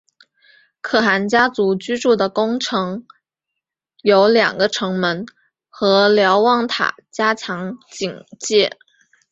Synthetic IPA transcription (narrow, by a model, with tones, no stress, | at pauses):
kʰɤ˥˩xa˧˥nt͡ɕja˥t͡su˧˥t͡ɕy˥ʈ͡ʂu˥˩d̪ə˩kʊ˥ŋʈ͡ʂʰɤ˧˥ŋ | jo˧˥ʊljɑ̰˨˩ŋɡə˦ʈ͡ʂʰɤ˧˥ŋmə˧˥n | xɤ˧˥ljɑ˧˥ʊwɑ˥˩ŋt̪ʰa̰˨˩t͡ɕja˥t͡ɕʰjɑ˧˥ŋt͡ɕi˨˩ŋt͡ɕjɛ˥˩